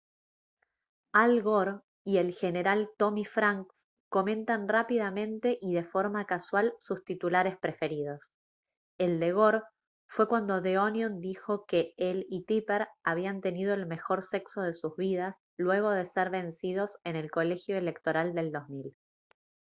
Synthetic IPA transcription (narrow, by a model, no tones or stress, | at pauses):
alɣoɾ | ie̞lxe̞ne̞ɾalt̪o̞mifɾaŋks | ko̞mẽ̞nt̪anrapið̞amẽ̞nt̪e̞ʔiðe̞fo̞ɾmakaswalsust̪it̪ulaɾe̞spɾe̞fe̞ɾið̞o̞s | eld̪e̞ɣo̞ɾ | fwe̞kwand̪o̞ðeonjond̪ixo̞keelit̪ipeɾaβ̞iant̪e̞nið̞o̞e̞lme̞xo̞ɾse̞kso̞ð̞e̞suzβið̞as | lwe̞ɣ̞o̞ð̞e̞seɾβe̞nsið̞o̞se̞ne̞lko̞le̞xjo̞ele̞kt̪o̞ɾald̪e̞ld̪o̞zmil